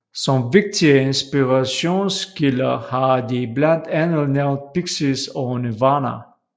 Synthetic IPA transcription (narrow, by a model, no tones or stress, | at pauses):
sɔmʋeɡ̥̚d̥ʰiəensb̥iʁaɕo̝̰ːnskilɐhɑdiblænd̥ænl̩neʊnd̥̚piɡ̥sisɔnəʋɑːnɐ̰